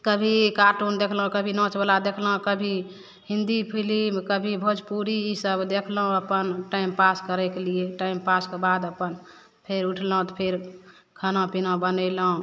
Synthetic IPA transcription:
kəbʱikaɾʈund̪ekʰləɦũkəbʱinɔ̃t͡ʃbəlad̪ekʰlũkəbʱi | hĩnd̪ipʰilimkəbʱibʱod͡ʒpuɾiːsəbd̪ekʰləɦũəpənʈaimpaskəɾɛkelieʈaimpaskebad̪əpən | pʰeɾuʈʰlɦt̪ɔpʰeɾ | kʰənãpinõbənəɪləɦũ

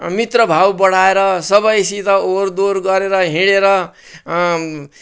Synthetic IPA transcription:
mit̪rʌbʱawbʌɽ̤aeɾʌsʌbʌjsit̪ʌoɾd̪oɾɡʌɾeɾʌɦĩɽeɾʌ

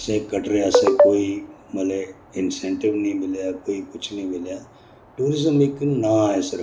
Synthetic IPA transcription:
sẽːkəʈɾeasẽkoːiməle | ɪnsẽːɳʈɪʋnĩmɪljaːkoːipʊt͡ʃʰnəĩmɪljaː | ʈuːɾɪzəmɪknaɦɛsɪɾ

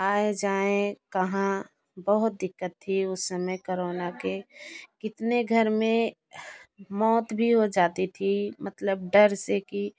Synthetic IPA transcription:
aːed͡ʒaːẽkəɦã | bəɦʊt̪̚d̪ɪkːət̪ʰːiʊsːəməjkoɾoːnakekɪt̪neɡʱəɾmẽ | mɔːt̪bʱiɦod͡ʒaːt̪it̪ʰimət̪ləbɖəɾseki

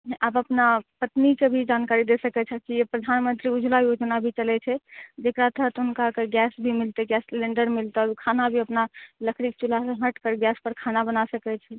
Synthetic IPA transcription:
ʔabəpnapət̪nikebʱid͡ʒankaɾid̪esəkɛt͡ʃʰɛkijepɾəd̪ʱanmənt̪ɾiud͡ʒʱlajod͡ʒnabʱit͡ʃəlɛt͡ʃʰɛd͡ʒekɾat̪əɦt̪unkakeɡɛsbʱimilt̪eɡɛsleɳɖəɾmilt̪eɾkʰanabʱiəpnaləkʰɾik̚t͡ʃulasẽɦəʈkəɾɡɛspəɾkʰanabənasəkɛt͡ʃʰɛ

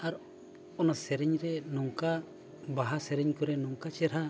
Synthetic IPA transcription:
aɾ | ɔnasɛɾɛɲɾɛnɔŋka | baɦasɛɾɛɲkɔɾɛnɔŋkat͡ʃɛɾha

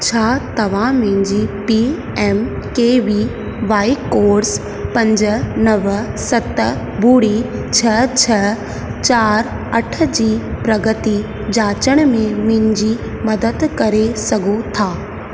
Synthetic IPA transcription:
t͡ɕʰaːt̪ɐʋ̤ãmɪ̃ɲd͡ʑipi | ɛːm | keːʋi | ʋaːikoːɾs | pɐ̃ɲd͡ʑə̆nɐʋsɐt̪ | buːɽit͡ɕʰɐt͡ɕʰɐ | t͡ɕaːɾ | ɐʈʰə̆d͡ʑiːpɾɐɡət̪i | d͡ʑaːt͡ɕəɽ̃mẽmɪ̃ɲd͡ʑi | mɐd̪əd̪kɐɾesɐɡʱot̪ʰaː

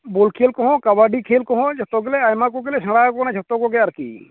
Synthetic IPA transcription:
bolkʰeːlkɔɦɔ̃kabaɖikʰelkɔɦɔ̃d͡ʒʱɐt̪ɔk̬eleajmakɔk̬elesə̃ɽaːkɔnãd͡ʒʱɐt̪ːɔkɔkeɐɾkḭː

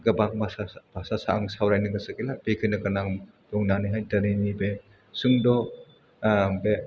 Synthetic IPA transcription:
ɡɐbaŋ̚baabasasaːŋsawɾajnɯŋɡasɯkilab̥ekʰɯjnakɯnaŋ | bɔŋnanɯjɦajdaɾenibe | sɯŋdɔ | be

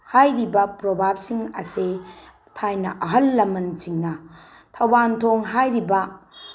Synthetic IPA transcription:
hajɾibɐpɾobʱab̚siŋɐse | tʰajnɐ̰ʔɐɦɐlːɐmɐnt͡ʃiŋnɐ | tʰɐwbantʰoŋɦajɾibɐ

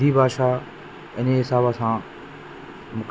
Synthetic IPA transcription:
ibʱaːʃa | ɪneɦɪsaːbasãː | mʊk

